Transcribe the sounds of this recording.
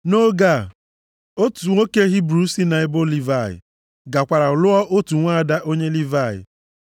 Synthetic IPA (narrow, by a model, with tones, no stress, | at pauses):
no˦ɡa˦˨ | o˦tu˨ŋʷo˦ke˦ɦi˦bɾu˦si˦na˨e˦bo˦li˦va˦˨ɪ̰˨ | ɡa˨kʷa˨ɾa˨ʊ˨lʊ˦ɔ˦ʔo˦tu˨ŋʷa˦˨da˦ʔo˦ɲe˦li˦va˦˨jɪ̰˨